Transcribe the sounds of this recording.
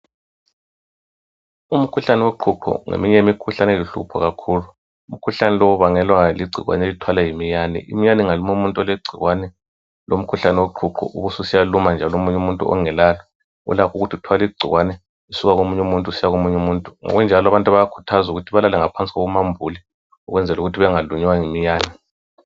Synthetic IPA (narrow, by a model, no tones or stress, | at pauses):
um̩kʰuɬanɛweǃʰuǃʰɔ̰ŋḛmiɲɛjemikʰuɬanɛliɬṵpʰɔ̰ɣakʰulu | um̩kʰuɬanɛlɔuβaŋɛlwaliɡ͡ǀʱḭɣwa̰nelitʰwalajimijanḭʔḭmijaniŋalumuumuntʼɔleɡ͡ǀʱḭɣwanɛ | lom̩kʰuɬanɛwoǃʰuǃʰɔ̰ʔṵβususijalumand͡ʒʱaloumuɲumuntʼṵɔ̰ŋɛlalɔ | ṵlakʰuɣutʰiutʰwaliɡ͡ǀʱiɣwanɛ | isuɣaɣomuɲumuntʼusijaɣomuɲumuntʼuŋɔ̰ɣund͡ʒʱalɔaβantʼaβajakʰu̥tʰazuɣutʰiβalalɛŋapʰant͡sʼiɣoɣumambʱuli | uɣwɛnd͡zʱɛluɣutʰiβɛŋaluɲɛwaŋimijaːnɛ